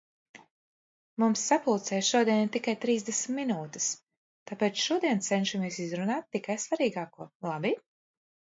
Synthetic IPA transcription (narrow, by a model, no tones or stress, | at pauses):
mumsːapulˠt̪sɛːjʃuɔd̪iɛnt̪ikajt̪ɾiːzd̪esmt̪minuːt̪ɪ̥s | t̪apɛːt̪sʃuɔd̪iɛnt̪sɛnʃamiɛsizɾunaːt̪ːikajsvaɾiːɡaːkuɔlˠabi